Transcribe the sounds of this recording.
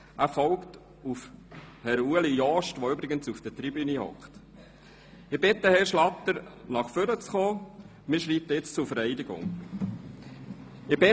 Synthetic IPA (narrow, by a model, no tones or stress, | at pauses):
æːɾfɔlkt | ufhɛɾuəlijɔʃtʋoʏbɾɪɡənsufd̥ət̪ɾibynihɔ̰kχt | ɪb̥ɪtːəhɛɾʃlɑtəɾnɑχføɾət͡sχoː | mɪːʃɾiːp̚t̪əɪt͡st͡sʊɾfəɾɛɪdɪɡʊ̰ŋ | ɪb̥ɪ